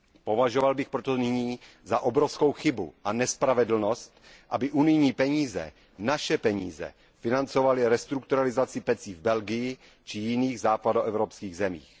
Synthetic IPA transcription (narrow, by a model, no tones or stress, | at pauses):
po̞vaʒovalbɪxpɾot̪onɪɲiː | zaʔobɾo̞fsko̞wxɪbṵʔanɛspɾavɛdl̩no̞st̪ | ʔabɪʔunɪjɲiːpɛɲiːzɛ̰ | naʃɛpɛɲḭːzɛ̰ | fɪnant͡so̞valɪɾɛst̪ɾukt̪uɾalɪzat͡sɪpɛt͡siːvbɛlɡɪjɪ | t͡ʃɪjɪniːɣzaːpadoʔɛvɾo̞pskiːɣzɛmḭːx